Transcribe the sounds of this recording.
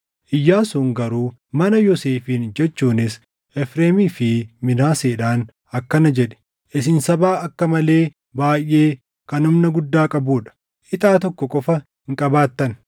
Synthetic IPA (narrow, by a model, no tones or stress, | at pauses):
ʔɪjːaːsʊŋɡɐɾuːmɐnɐjɔseːfiːnd͡ʒɛt͡ʃːuːnɪs | ʔɛfɾeːmiːfɪmɪnaːseːᶑaːn | ɐkːɐnɐd͡ʒɛᶑɛ̥ | ʔɪs̬ɪnsɐbaːɐkːɐmɐleː | baːjːe̞ː | kɐnʊmnɐɡʊd̪ːaːkʼɐbuːᶑɐ̥ | ʔɪt̪ʼaːt̪ɔkːɔkʼɔfɐ | ɪŋkʼɐbaːt̪ːɐn